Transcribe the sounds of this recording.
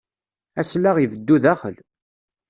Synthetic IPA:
æslːaʁivəd̪ːuðæχə̰l

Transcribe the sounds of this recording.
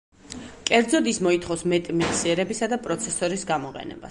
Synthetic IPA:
kʼɛɾd̪zɔd̪ismɔit̪ʰχɔfsmɛt̪ʼmiqʼsiɛɾɛbisad̪apʼɾɔt̪sʰɛsɔɾisɡamɔqʼɛ̰nɛ̰ba̰s

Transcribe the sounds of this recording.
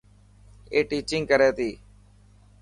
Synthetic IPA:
eːʈiːt͡ʃɪ̃ŋɡkəɾeːt̪iː

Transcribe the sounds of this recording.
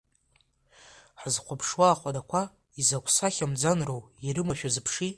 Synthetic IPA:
ħazqʷʰapʰʂwaːχʷadakʷʰa | izakʷʰsaχʲamd͡zanrowiɾɨmaʃᶣazɨpʰʂi

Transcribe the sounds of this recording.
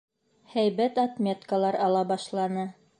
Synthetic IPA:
hæjβæt̪ɑt̪mʲet̪kalˠɑɾɑlˠɑbɑʃlˠɑnɤ

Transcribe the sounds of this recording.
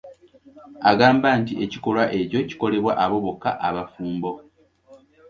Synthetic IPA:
aɡaːmbantiʔe̞ciko̞lwaʔe̞co̞ci̥ko̞le̞βwaʔaβo̞βo̞kːa̰ʔaβafuːmbo̞

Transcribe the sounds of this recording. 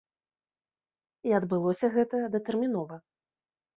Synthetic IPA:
iɐd̪bɨlˠɔsʲɐɣɛt̪ɐd̪ɐt̪ɛrmʲinɔvɐ

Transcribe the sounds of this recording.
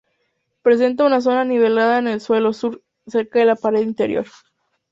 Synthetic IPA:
pɾe̞s̬e̞nt̪aunas̬o̞naniβ̞e̞laðaene̞lswe̞lo̞suɾ | se̞ɾkaðe̞lapaɾe̞ðint̪e̞ɾjo̞̰ɾ

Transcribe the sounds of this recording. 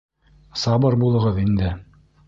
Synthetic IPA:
sɑbɤɾbulˠɤ̆ʁɤðind̪ɘ

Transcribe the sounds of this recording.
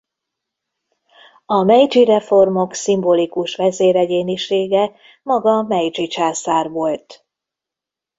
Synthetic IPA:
ɒmɛjd͡ʒiɾɛfo̞rmo̞ksimbolikuʃʋɛzeːɾɛɟeːniʃeːɡɛ | mɒɡɒmɛjd͡ʒit͡ʃaːsaːrʋo̞lt̪

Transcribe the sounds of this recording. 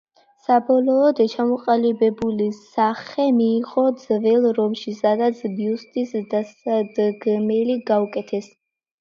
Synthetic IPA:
sabɔlɔːd̪t͡ʃʰamɔqʼalibɛbulisaχɛmiːʁʼɔd̪zvɛlˠɾɔmʃisad̪at̪sʰbiust̪ʼisd̪asad̪ɡmɛliɡaukʼɛt̪ʰɛs

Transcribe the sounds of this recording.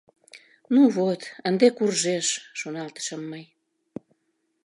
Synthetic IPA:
nuβot̪ənd̪ekurʒeʃːonɑlt̪ə̥ʃəmːəj

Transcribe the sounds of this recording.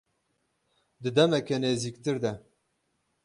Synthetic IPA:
d̪ɨd̪ɛmɛkɛneːziːkt̪ɨɾd̪ɛ

